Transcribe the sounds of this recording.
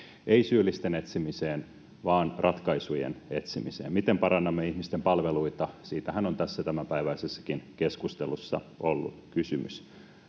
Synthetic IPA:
eisyːlːist̪enet̪simiseːn | ʋɑːnrʔɑt̪kɑisujḛnet̪simisḛːmmit̪empɑɾɑnːɑmːeihmist̪empɑlʋeluit̪ɑsiːt̪æhænont̪æsːæt̪æmæmpæiʋæisesːɑ̥kinkeskust̪elusːɑ̰ʔolːṵkysymy̰s

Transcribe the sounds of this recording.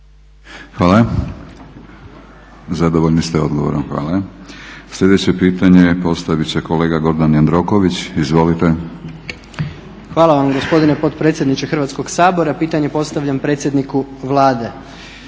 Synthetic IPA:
xʋaːla | zad̪oʋoʎnist̪eo̞d̪ɡoʋo̰ɾonxʋa̰ːla | slʎe̞d̪et͡ɕe̞piːt̪aɲe̞po̞st̪aʋit͡ɕe̞kole̞ːɡaɡo̞ɾd̪anjand̪ɾo̞koʋit͡ɕizʋo̞lit̪e | xʋaːlˠaʋamɡo̞spo̞d̪inepo̞t̪pɾet̪sjd̪nit͡ɕexr̩ʋat̪sko̞ɡsaːbo̞ɾapiːt̪aɲe̞po̞st̪aʋʎʲampɾet̪sʲje̞d̪nikuʋlˠaːd̪e̞

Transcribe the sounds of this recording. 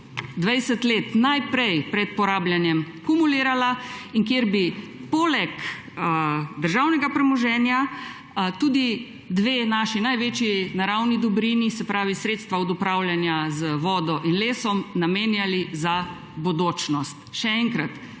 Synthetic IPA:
d̪ʋɛjsɛt̪leːt̪najpɾɛjpɾɛt̪̚pɔɾaːblʲjanjɛm | kumuliːɾalaiŋkjeɾbipoːlɛk | d̪əɾʒaːwnɛɡapɾɛmɔʒɛːnja | t̪uːd̪i | d̪ʋeːnaːʃinajʋeːt͡ʃjinaɾawnid̪ɔbɾinisɛpɾaːʋisɾet̪st̪ʋaɔd̪ɔpɾawljanjazəʋɔːd̪ɔʔinleːsɔmnameːnjaliza | bod̪oːt͡ʃnɔst̪ʃɛɛŋkɾat̪

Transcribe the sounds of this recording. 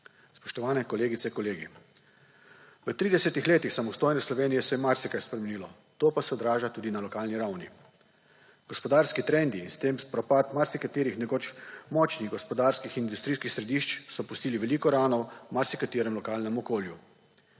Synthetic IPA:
spɔʃt̪ɔʋaːnɛkɔleːɡit̪sɛikɔleːɡḭ | ʋət̪ɾiːd̪ɛsɛt̪ixleːt̪ixsamɔst̪oːjnɛslɔʋeːnijɛsɛjɛmaɾsɛkajspɾɛmeniːlɔ | t̪oːpasɛɔd̪ɾaːʒat̪uːd̪inalɔkaːlniɾawnḭ | ɡ̥ɔspɔd̪aɾskit̪ɾɛnd̪iːnst̪empɾɔpat̪maɾsikat̪eːɾixnɛkoːt͡ʃmɔt͡ʃniɣɡɔspɔd̪aːɾskixind̪ust̪ɾiːskixsɾɛd̪iːʃt͡ʃsɔpust̪iːliʋɛliːkɔɾaːnɔwmaɾsikat̪iːɾɛmlɔkaːlnɛmɔkoːlju

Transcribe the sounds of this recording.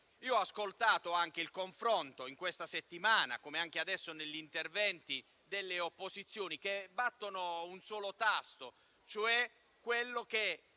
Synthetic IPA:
iːoɔaskolt̪aːt̪oaŋk̟eilkoɱfɾont̪oiŋkwest̪aset̪ːimaːna̰komeaŋk̟ead̪ɛsːoneʎːint̪ervɛnt̪i | d̪elːeopːozit̪sːjoːnik̟ebːat̪ːonounsɔːlot̪ast̪o | t͡ʃoɛ | kːwelːok̟e

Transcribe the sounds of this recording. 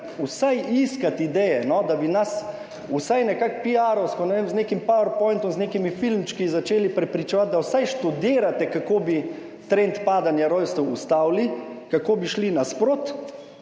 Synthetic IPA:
usajiskat̪id̪ɛjɛnɔd̪abinas | usajnɛkakpiaɾɔwskɔnɛʋemzneːkimpawɛɾpɔjnt̪ɔmzneːkimifilmt͡ʃkizat͡ʃeːlipɾɛpɾit͡ʃɛʋat̪̚d̪awsajʃt̪ud̪eːɾat̪ɛkakoːbi | t̪ɾent̪paːd̪anjaɾɔjst̪ɛwust̪aːwlikakoːbiʃlinaspɾoːt̪

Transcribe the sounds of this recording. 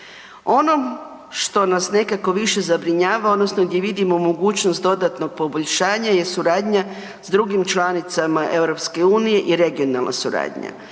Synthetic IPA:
o̞no̞m | ʃt̪o̞nasne̞kako̞ʋiʃe̞zabɾiɲaːʋao̞d̪nosnoɡd̪ʲje̞ʋid̪imomo̞ɡuːt͡ɕnost̪d̪o̞d̪at̪no̞ɡ̚po̞boʎʲʃaːɲaje̞suɾaːd̪ɲa | z̥d̪ɾuɡimt͡ʃlanit̪samaʔe̞vɾo̞pske̞uːnije̞ʔiɾe̞ɡio̞nalnʔa̰suɾa̰ːd̪ɲa̰

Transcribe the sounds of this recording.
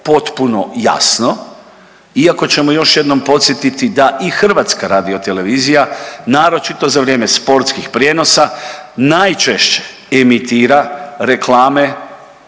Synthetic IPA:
po̞t̪puno̞ja̰sno̞ | iako̞t͡ɕe̞mojo̞ʃje̞d̪no̞mpo̞t̪sjet̪it̪id̪aʔixr̩ʋaːt̪skaɾaːd̪io̞t̪e̞le̞ʋiːzijanaːɾo̞t͡ʃit̪o̞zaʋɾje̞ːmespo̞ɾt̪skixpɾjeno̞sanajt͡ʃeʃt͡ɕe̥ | emit̪iːɾaɾe̞klaːme̞

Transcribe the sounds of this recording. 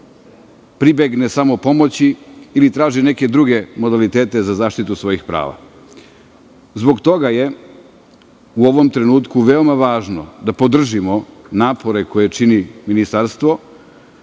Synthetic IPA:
pɾibeɡnesamo̞po̞mo̞t͡ɕiːlit̪ɾaːʒineke̞d̪ɾuɡe̞mo̞d̪alit̪eːt̪e̞zazaːʃt̪it̪usʋo̞jixpɾa̰ːʋa̰ | zbo̞ɡt̪o̞ɡaje̞ | uoʋo̞mt̪ɾe̞nuːt̪kuʋe̞o̞maʋaːʒnod̪apo̞d̪r̩ʒimo̞naːpo̞ɾe̞ko̞je̞t͡ʃiniminist̪aɾst̪ʋo̞

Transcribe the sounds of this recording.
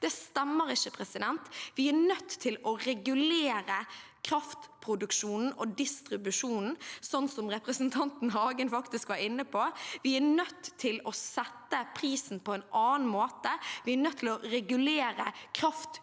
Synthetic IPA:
d̪̥ɛst̪ɛmːəɾɪçəpʰɾɛsɪd̪ɛnt̪ʋɪænœt̪ʰːɪlɔɾɛɡʉleːɾə | kʰɾɑft̪pʰɾʊd̪ʉkʂuːnn̩ɔd̪ɪst̪ɾɪbʉʂuːnn̩sɔnːsɔmɾɛpɾəsnt̪ʰɑnt̪n̩ɦɑːɡənfɑkt̪ɪskʋɑɾɪnːəpʰɔʋɪænœt̪ʰːɪlɔsɛt̪ːəpʰɾiːsn̩pʰɔɛnɑːnmoːt̪əʋɪæɾnœt̪ʰːɪlɔɾɛɡʉleːɾəkʰɾɑft̪

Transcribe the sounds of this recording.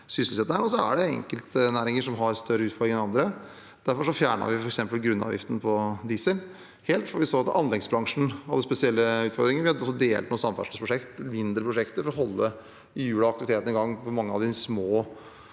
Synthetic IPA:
sʏsəlsɛt̪ːəhæɾɔs̬ɔæ̰ɖɛɛ̰ŋkəlt̪næːɾɪŋəʂɔmɦɑɾst̪œɾəʉːt̪fɔɾd̪ɾɪŋɛnɑnd̪ɾə | d̪̥æɾfɔɾʂɔfjæːɳɑ̰ʋɪfɔɾɛksɛmpəlɡɾʉnːɑ̰ʋjɪ̰ft̪ənpʰɔd̪ɪsəl | heːlt̪fɔɾʋɪsoːɑt̪ɑ̰nlɛɡsbɾɑŋʂn̩ɑʋd̪ɛspɛsɪɛlːəʉːt̪fɔɾd̪ɾɪŋənʋɪhɑd̪ɔsːɔd̪eːlt̪nuːsɑmfæ̰ʂlɑspʰɾʊʂɛkt̪mɪnd̪ɾəpʰɾʊʂɛkt̪əɾfɔɾɔɦɔlːə | ɪjʉːlɑɑkt̪ɪʋɪt̪ʰeːt̪ənɪɡɑŋːfɔmɑŋːəɑʋd̪ɪsmoː

